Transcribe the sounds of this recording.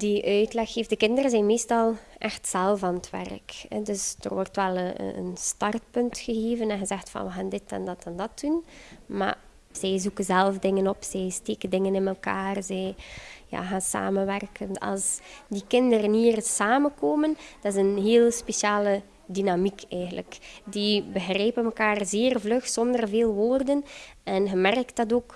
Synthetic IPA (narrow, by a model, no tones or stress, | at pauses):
diʔœɥtlɛxːeːfdəkɪndərəzɛjnmeːstɑlˠʔɛxtsɛlˠvaːnətʋɛ̰rkɛ̰dɵsd̥ə̰rwɔrtʋɛlˠəə̰ə̰nstɑrtpɵntxəɣeːvənɛnɣəzɛxtfɑ̰nʋəɣaːndɪtɛ̰ndɑtɛndɑtunma̰ | z̥ɛjzukənzɛlˠfdɪŋənɔpsɛjsteːkəndɪŋənɪnɛlˠkaːrzɛjja̰ːɣaːnsa̰ːmənʋɛrkənɑ̰lˠsdikɪndəɾənɦiːrsaːmənkoːmənd̥ɑtɪzənɦeːlˠəspeʃaːlə | dinamikʰɛjɣənlə̰kdibəɣrɛjpənməkaːrzeːrvlɵxsɔndərveːlˠʋoːrdənɛnɣəmɛrktdɑtoːk